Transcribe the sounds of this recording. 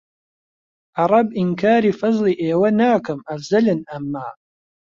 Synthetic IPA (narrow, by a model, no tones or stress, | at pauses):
ʔɑɾˤɑbʔɪnkaːɾifɑzˤliʔeːwanaːkamʔafzalanʔamːaː